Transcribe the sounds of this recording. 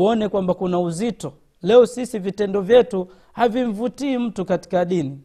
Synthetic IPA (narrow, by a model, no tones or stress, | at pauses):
ɔnɛkwambakunauzitɔ | lɛɔsisivitɛndɔvjɛtu | haviɱvutiːm̩tukati̥kaɗini